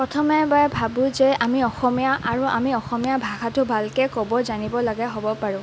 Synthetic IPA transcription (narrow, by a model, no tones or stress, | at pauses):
pɹɔtʰɔmɛbaɛbʱabʊ̃zɛamiɔxɔmijaʔaɹuʔamiɔxɔmijabʱaxatʊbʱalkɛkɔbɔzanibɔlaɡɛɦobɔpaɹʊ̃